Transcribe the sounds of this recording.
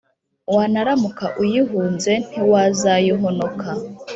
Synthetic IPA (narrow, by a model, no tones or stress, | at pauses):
wanaɾamukaʔujiɦuːnze̞n̥iwazajiɦonokʰa